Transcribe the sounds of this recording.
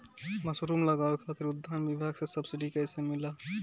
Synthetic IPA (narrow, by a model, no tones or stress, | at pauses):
məsɾumləɡaekʰat̪iɾʊd̪ʱːanbibʱaːɡsesəbsiɖikəɪsemɪla